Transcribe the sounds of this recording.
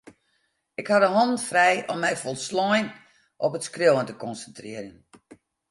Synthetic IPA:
ɪkhadəɦɔnfrɛjɔmːɛjfɔlˠslɔjn | ʔɔpətskrowəntəkɔnsəntrɪərən

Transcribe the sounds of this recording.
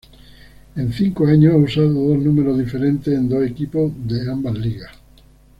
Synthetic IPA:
ẽn̟θiŋkoaɲoausaðoðoznumeɾozðifeɾẽnt̪esend̪osekipoðeambazliɣa

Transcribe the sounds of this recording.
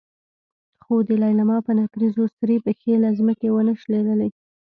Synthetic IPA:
xod̪əlɑjlamɑpənakɾizost̪əɾipəxelazməkewənəʃleləlej

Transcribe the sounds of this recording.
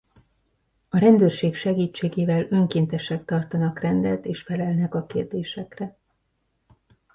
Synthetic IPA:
ɒɾɛnd̪øːrʃeːkʃɛɡiːt͡ʃːeːɡeːvɛlø̞ŋkeːnt̪ɛʃɛk̚t̪ɒrt̪ɒnɒkrɛnd̪ɛt̪eːʃfɛlɛlnɛkɒkḛːrd̪eːʃɛkrɛ

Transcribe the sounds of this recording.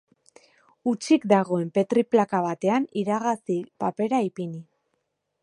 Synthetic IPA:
ut͡ʃikd̪aɣo̞e̞mpe̞t̪ɾiplakaβ̞at̪e̞aniɾaɣasipape̞ɾaipini

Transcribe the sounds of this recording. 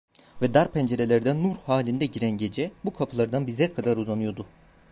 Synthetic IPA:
vɛd̪aɾpʰænd͡ʒe̞ɾe̞lʲæɾd̪ænːuɾhaːlʲind̪ɛɟiɾænɟe̞d͡ʒɛbukʰapʰɯlˠaɾd̪anbizɛkʰad̪aɾuzanɯjo̞d̪ʊ

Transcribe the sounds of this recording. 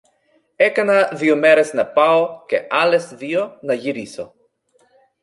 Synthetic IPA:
ekanaðiomeɾesnɐpaokeʔalesðionɐʝiɾiso

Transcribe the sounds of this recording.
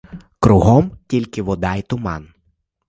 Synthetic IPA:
kɾʊɦɔmtʲilʲkɪʋɔd̪ɑjt̪ʊmɑ̰n

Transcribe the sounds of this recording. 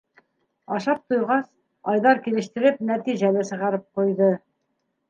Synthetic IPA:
ɑʃɑp̚t̪ojʁɑs | ɑjðɑɾkilɘ̆ʃt̪ɘ̆ɾɘp̚næt̪iʑælɘsɤ̆ʁɑɾɤp̚qujðɤ

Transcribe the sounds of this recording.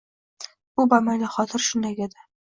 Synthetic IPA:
bʊbamalɪχɒt̪ʰɪɾʃʊnd̪aɡʲad̪a

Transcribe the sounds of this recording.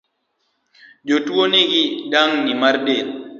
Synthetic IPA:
d͡ʒotwoniɡiɗaŋnimaɾɗe

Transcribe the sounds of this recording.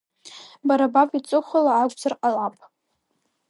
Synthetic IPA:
baɾabapʼit͡sʼɨχʷalaʕaɡʷʼzarqʼalapʼ

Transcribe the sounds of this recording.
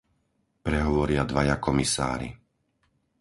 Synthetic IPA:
pɾɛɦɔʋɔɾɪad̪ʋajakɔmisa̰ːɾḭ

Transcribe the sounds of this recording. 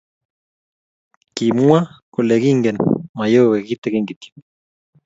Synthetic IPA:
kimuakoleɣiŋɡenmajoweɣit̪eɣiŋɡit̪

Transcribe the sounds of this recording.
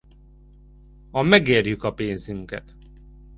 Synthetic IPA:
ɒmɛɡeːrjykɒpeːnzyŋkɛ̰t̪

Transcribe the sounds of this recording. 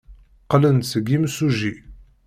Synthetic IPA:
qlənsəɡimsuʒi

